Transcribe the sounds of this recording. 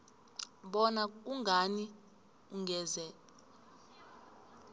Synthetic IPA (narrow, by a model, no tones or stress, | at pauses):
ɓɔnak̬ʼuŋɡʱani | uŋɡʱɛːzɛ